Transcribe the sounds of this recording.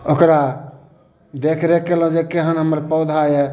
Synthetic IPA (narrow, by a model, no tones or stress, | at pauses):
okɾa | d̪ekʰɾekelə̃d͡ʒekeɦənɦəməɾpɔd̪ʱaje